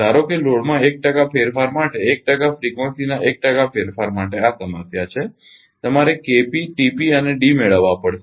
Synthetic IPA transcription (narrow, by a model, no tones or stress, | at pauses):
aɾokeloɽmãek̚ʈəkapʰeɾfaɾmaʈeːk̚ʈəkafɾikʋənsinaʔek̚ʈəkafʰeɾfaɾmaʈeasəməsjat͡ʃʰe | t̪əmaɾekepiʈipiəneɖimeɭəʋːapəɽʃe